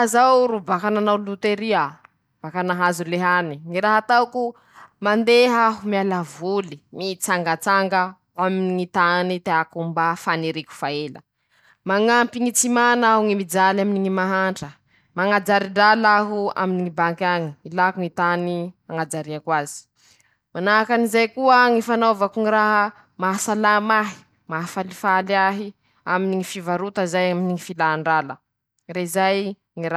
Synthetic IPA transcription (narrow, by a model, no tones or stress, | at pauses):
azawɾubakananawlut̪eɾia | v̥akanaɦazuleɦaniŋiɾaɦat̪awku | mand̪eɦaɦumialavulimit͡saŋɡət͡saŋɡə | aminiŋit̪anit̪eakumbafaniɾiku̥faelə̰ | maŋampiŋit͡simanauŋimid͡zalaminiŋimaɦaɳʈ͡ʂə | maŋad͡zaɾiɖ͡ʐalaɦua̰miniŋibaŋkaŋiilakuŋit̪animaŋad͡zaɾiakwazi̥ | manakanizajkuəŋifanavakuŋiɾaɦə | maɦsalamaɦi̥ | maɦafalifaliaɦi | aminiŋifivaɾut̪əzajaminiŋifilaɳɖ͡ʐalə̰ | reizaj | ŋiɾa